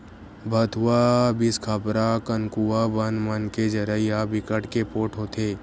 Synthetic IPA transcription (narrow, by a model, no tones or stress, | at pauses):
bʱət̪ʰuwabɪskʰəpɾakənkuabənmənked͡ʒəɾəijabɪkəʈkepoːʈɦoːt̪ʰeː